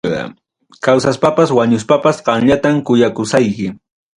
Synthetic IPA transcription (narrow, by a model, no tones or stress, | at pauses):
ɑ̰ | kawsaspapaswaɲʊs̬papasqɑŋʎat̪amkʊjakʊsajkɪ